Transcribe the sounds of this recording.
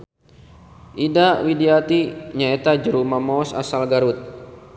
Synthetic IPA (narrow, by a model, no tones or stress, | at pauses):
ʔidawideat̪iɲaet̪ad͡ʒəɾumamɔsa̰salɡaɾut̪̚